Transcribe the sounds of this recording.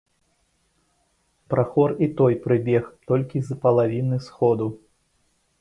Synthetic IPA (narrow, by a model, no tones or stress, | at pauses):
pɾaxɔrit̪ɔjpɾɨbʲɛxt̪ɔlʲkʲizpɐlˠavʲinɨsxɔd̪u